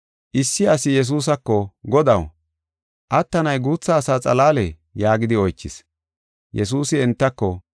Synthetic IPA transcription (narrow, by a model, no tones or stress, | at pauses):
ʔɪsːɪɐsɪjɛs̬uːs̬ɐkːɔɡɔd̪ɐw | ʔɐt̪ːɐnɐjɡuːt͡sːɐːsaːt͡sʼɐlaːlɛ | jaːɡɪd̪ɪɔjt͡ʃːɪ̰s | jɛsuːsɪɛnt̪ːɐkːɔ